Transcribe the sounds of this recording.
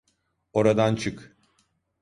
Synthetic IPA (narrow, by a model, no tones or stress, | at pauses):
o̞ɾad̪ant͡ʃʰɯk